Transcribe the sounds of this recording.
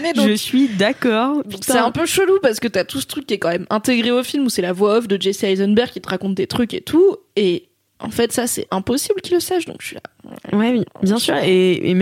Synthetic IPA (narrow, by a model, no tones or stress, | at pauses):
ed̪ɔʒ̃əsɥid̪akɔʁd̪ɔ̃ksɛɛ̃pøʃəlupaʁsə̥kət̪yat̪usə̥t̪χykʲːiɛkɑ̃mɛmɛ̃t̪eɡʁeofilmusɛlavwaɔfd̪əd͡ʒesiajzɔnbɛʁ̚kʲit̪əʁakɔ̃t̪̚d̪et̪χykḛt̪ʰue | ɑ̰̃fɛt̪sasɛ̰ɛ̃pɔsibləkʲilːəsaʃd̪ɔ̰̃kɥila̰ɛwɛbjɛ̃sy̰ːʁeḛm